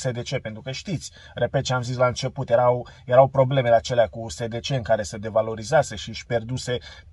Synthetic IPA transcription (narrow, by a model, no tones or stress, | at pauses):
se̞d̪e̞t͡ʃe̞pe̞nt̪ɾukəʃt̪it̪sʲ | re̞pet̪̚t͡ʃeamzis̬laɨnt͡ʃe̞put̪je̞ɾawjeɾawpɾo̞ble̞me̞lat͡ʃe̞leakuse̞d̪e̞t͡ʃe̞ɨŋkaɾe̞sed̪e̞valo̞ɾizease̞ʃiʃʲpe̞rd̪use̞